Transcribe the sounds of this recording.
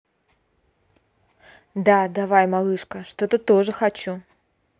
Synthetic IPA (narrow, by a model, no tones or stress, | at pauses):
d̪ad̪avajmalˠɨʂkəʂt̪ot̪ət̪oʐɨxɐt͡ɕu